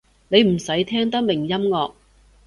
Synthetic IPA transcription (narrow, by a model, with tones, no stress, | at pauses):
ne˨˧jm̩˨˩sɐ˨˥jt̪ʰɛː˥ŋt̪ɐ˥k̚mɪ˨˩ŋjɐ˥mŋɔː˧k̚